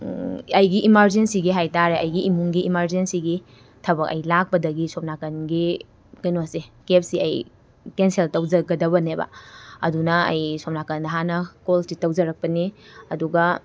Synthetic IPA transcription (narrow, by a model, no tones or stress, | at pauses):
ɐjɡiʔimɐɾzensiɡiɦajtaɾeʔɐjɡiʔimuŋɡiimɐɾzensiɡi | tʰɐbɐkɐjlak̚pɐdɐɡisɔp̚nakɐnɡi | kɐjnosikep̚siɐj | kenseltɐwzɐɡɐdɐβɐnebɐ̰ɐ̰dunɐɐ̰jsop̚nakɐndɐɦanɐkolsitɐwd͡ʒɐɾɐk̚pɐniɐduɡɐ